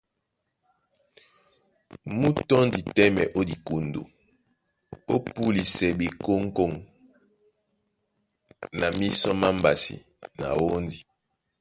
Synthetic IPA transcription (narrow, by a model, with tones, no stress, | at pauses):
mu˦tɔ˦ndi˨tɛ˦mɛ˨ʔo˦di˨ku˨ndṵ˨ | o˦pu˦li˨sɛ˨bi˨ko˦ŋ˦ko˦˨ŋ | na˨mi˦sɔ˦ma˦mba˨sḭ˨ | na̰˨wo˦ndi˨